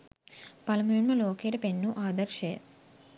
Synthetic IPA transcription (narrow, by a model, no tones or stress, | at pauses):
pɐlɐmuɳmɐloːkeːʈɐpenːuʔaːd̪ɐɾʃeː